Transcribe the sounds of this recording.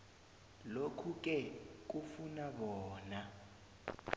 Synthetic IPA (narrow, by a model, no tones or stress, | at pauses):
lokʰuk̬ʼɛk̬ufunaɓɔːna